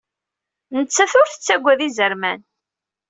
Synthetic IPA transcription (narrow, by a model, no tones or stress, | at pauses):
nət͡sːæθʊɾθə̥t͡sːæɡʷːæðizəɾmæn